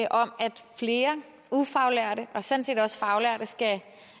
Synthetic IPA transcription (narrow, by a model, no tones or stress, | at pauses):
ʔɒ̽mæd̥fle̝ːɐ | ufɑ̈ʊlæɐ̰ɾ̥əʔɒ̽sɔ̽nse̝̰ːdɒ̽sfɑ̈ʊlæɐ̰ɾ̥əsɡ̥æ